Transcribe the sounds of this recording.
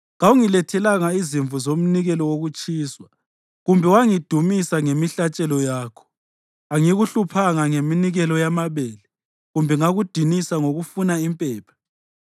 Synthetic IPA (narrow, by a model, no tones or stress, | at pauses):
ŋawuŋilɛtʰɛlaŋaiziɱvuzom̩niɣɛlɔwoɣut͡ʃʼiːswa | ɣumbʱɛwaŋid̥ʱumisaŋemiɬat͡ʃʼɛlɔjaːkʰɔ̥ | aŋiɣuɬupʰaŋaŋeminiɣɛlɔjamaβɛːlɛ | ɣumbʱɛŋaɣud̥ʱinisaŋoɣufunaimpʼɛːpʰḁ